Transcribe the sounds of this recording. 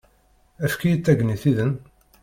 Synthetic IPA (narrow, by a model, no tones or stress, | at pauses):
æfkijət͡sːæɡniθiðən